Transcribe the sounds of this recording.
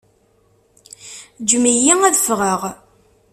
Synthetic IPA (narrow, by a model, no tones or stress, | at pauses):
d͡ʒmijiæðəfʁəʁ